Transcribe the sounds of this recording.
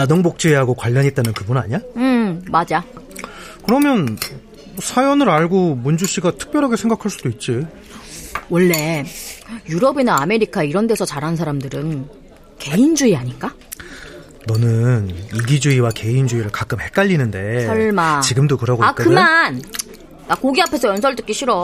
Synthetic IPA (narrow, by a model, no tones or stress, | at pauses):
nadoŋbok̚t͡ɕ͈uiɦaɡokwaʎːʌɲɦet̚t͈anɯnkɯbunaɲaɯmad͡ʑa | kɯɾʌmjʌn | sʰajʌnɯɾaɭɡomund͡ʑuɕ͈iɡatʰɯ̥k̚p͈jʌɾɦaɡesʰeŋɡakʰaɭs͈ud̥oit̚t͡ɕ͈i | wʌɭːe̞ | juɾʌbinaːme̞ɾikʰaiɾʌnde̞sʰʌt͡ɕaɾɦansʰaɾamdɯɾɯn | ke̞ind͡ʑuiaɲik͈a | nʌnɯniɡid͡ʑuiwake̞ind͡ʑuiɾɯɭkak͈ɯmhe̞k͈aʎːinɯnde̞sʰʌɭmat͡ɕiɡɯmdokɯɾɦaɡoakɯman | nakoɡiapʰe̞sʰʌjʌnsʰʌɭt͈ɯk͈iɕʰiɾʌ